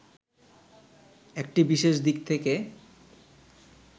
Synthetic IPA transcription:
ek̚ʈibiʃeʃd̪ik̚t̪ʰeke

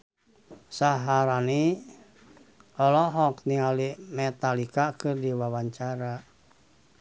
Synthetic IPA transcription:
saɦaɾani | ɔlɔɦɔkniŋalimɛt̪alikakɨrdiwawaɲt͡ʃaɾa

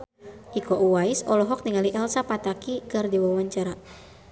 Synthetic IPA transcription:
ʔikɔʔuwaisɔlɔɦɔk̚niŋaliʔɛlsapat̪akikɨrdiwawaɲt͡ʃaɾa

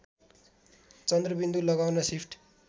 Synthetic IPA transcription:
t͡sʌnd̪rʌbind̪ulʌɡawnʌsipʰʈ

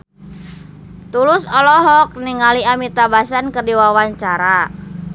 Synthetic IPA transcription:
t̪ulʊsɔlɔɦɔk̚niŋaliamit̪abasankərdiwawaɲt͡ʃaɾa

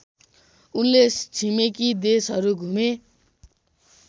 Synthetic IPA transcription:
unlet͡sʰimekid̪esɦʌɾuɡʱume

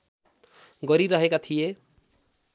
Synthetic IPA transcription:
ɡʌɾiɾʌɦekat̪ʰije

